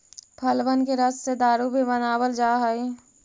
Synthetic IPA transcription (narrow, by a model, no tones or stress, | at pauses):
pʰəlbənkeɾəssed̪aːɾubʱibənaːwəld͡ʒaːɦai